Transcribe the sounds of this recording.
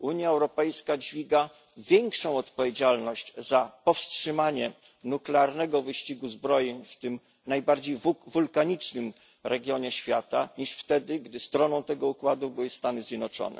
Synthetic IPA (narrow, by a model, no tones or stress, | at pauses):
uɲjaɛwɾɔpɛjskad͡ʑvʲiɡa | vʲjɛŋkʂɔ̃w̃ɔt̪pɔvʲjed͡ʑalnɔɕt͡ɕzapɔfstʂɘmaɲɛ | nuklɛaɾnɛɡɔvɘɕt͡ɕiɡuzbɾɔjeɲft̪ɘm | najbaɾd͡ʑejvulkaɲit͡ʂnɘm | ɾɛɡʲjɔɲɛɕfʲjat̪aɲiʂft̪ɛd̪ɘɡd̪ɘst̪ɾɔnɔ̃w̃t̪ɛɡɔukwad̪ubɘwɘst̪anɘzʲjɛd̪nɔt͡ʂɔ̰nɛ̰